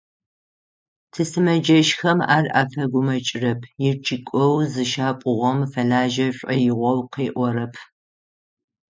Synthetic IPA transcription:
tʰɨsɨmɐd͡ʒɐʃxɐma̰ːrʔa̰ːfɐɡʷʊmɐt͡ʃʼɪrɐpʰjɪrt͡ʃʰʼɪkʷʼɔwzɨʃaːpʼʊʁʷɔmfɐlaːʒɐɕʷʼɐjɪʁʷɔwqeːʔʷɔɾɐpʰ

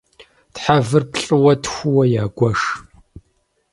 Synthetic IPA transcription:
tħavɨrpɬʼɨwɐtxʷʊwɐjaːɡʷɐʂ

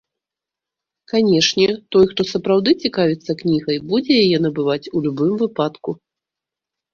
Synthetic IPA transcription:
kanʲɛʂnʲɛt̪ɔjxt̪ɔsɐpɾawd̪ɨt͡sʲikavʲɛt̪sːɐknʲiɣɐjbud͡zʲɛjajɛn̪ɐbɨvat͡sʲulʲubɨmvɨpat̪ku

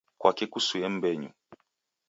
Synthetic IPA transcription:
kwakɛkusuɛm̩bɛɲṵ

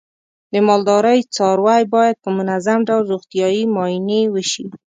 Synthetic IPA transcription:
d̪əmɑld̪ɑɾəjt͡sɑɾwajbɑjad̪̚pəmʊnazamɖawlɾoɣt̪ijɑjimɑinewəʃi

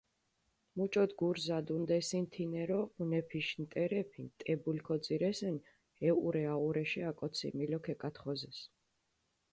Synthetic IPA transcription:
mut͡ʃʼɔd̪ɡuɾzad̪und̪ɛsint̪ʰinɛɾɔunɛpʰiʃnt̪ʼɛɾɛpʰint̪ʼɛbulkʰɔd̪ziɾɛsɛn | ɛuɾɛauɾɛʃɛakʼɔt̪sʰḭmilɔkʰɛkʼat̪χɔzɛs

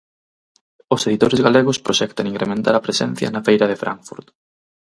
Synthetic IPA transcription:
oseðit̪oɾɪzɣaleɣʊspɾoʃɛk̚t̪ɐniŋkɾemẽnt̪aɾɐpɾesɛnθjɐ̰nɐfejɾɐðefɾʔa̰ŋfṵɾt̪

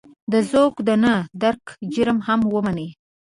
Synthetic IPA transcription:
d̪əzoɡd̪ənəd̪aɾkd͡ʒəɾmhamwəmane

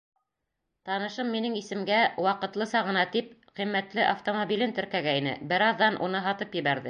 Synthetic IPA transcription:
t̪ɑnɤ̆ʃɤmːinɘŋisɘ̆mɡæwɑqɤ̆t̪lˠɤsɑʁɤ̆nɑt̪ip̚qimːæt̪lɘʔaft̪omobʲilɘnt̪ɵ̆ɾkæɡæinɘ̰bɘɾɑðːɑnʔṵnɤɦɑt̪ɤpjɘ̆βæɾðɘ

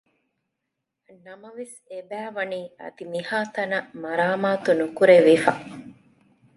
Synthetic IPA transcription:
nɐmɐʋes | ebæːʋɐniːɐ̰d̪imihaːt̪ɐnɐmɐɾaːmaːt̪unukuɾeʋifɐ

